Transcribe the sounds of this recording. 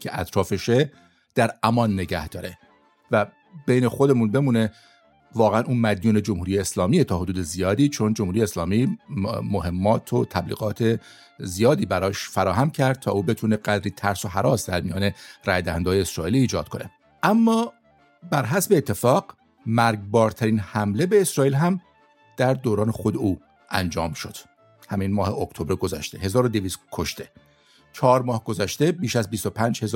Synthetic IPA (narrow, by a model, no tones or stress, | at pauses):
cʰe̞ʔæ̰t̪ʰɾɒːfeʃe | d̪̥æɾæmɒnːe̞ɟæ̰hd̪̥ɒ̰ːɾe | væ | b̥ejne̞xo̞d̪e̞munbe̞muːne̞ | vɒːɣeænʔuːmæd̪juːne̞d͡ʒomhuːɾiːjeːslɒːmiːet̪ʰɒːɦod̪uːd̪ezijɒːd̪iːt͡ʃʰo̞nd͡ʒomhuɾijeslɒːmiːmoɦe̞mːɒːt̪ʰot̪ʰæblḭːɡɒːt̪ʰe̞ | zijɒːd̪iːbæɾɒːʃfæɾɒːɦæmcʰæɾd̪̥̚t̪ʰɒ̰ːʔuːbe̞t̪ʰuːneɡæd̪ɾiːt̪ʰæɾsoɦæɾɒːsd̪æɾmijɒ̰ːne̞ɾæ̰jd̪æhænd̪ɒːjeesɾɒːʔiːliːd͡ʒɒːd̪̥̚kʰo̞ne̞̰ | ʔæmːɒː | bæɾɦæsbe̞ːt̪ʰːe̞fɒːɡ̥ | mæɾɡbɒːɾt̪ʰæɾiːnhæmle̞beːsɾɒːiːlɦæm | d̪̥æɾd̪oːɾɒːnexod̪euː | ʔæ̰nd͡ʒɒːmʃo̞d̪̥ | hæminmɒːhe̞okt̪ʰobɾeɡo̞zæ̰ʃt̪e̞ɦe̞zɒːɾo̞d̪eviːskʰo̞ʃt̪e̞ | t͡ʃʰɒːɾmɒːhɡ̥o̞zæʃt̪e̞biːʃæzbist̪o̞pʰæːnd͡ʒhe̞z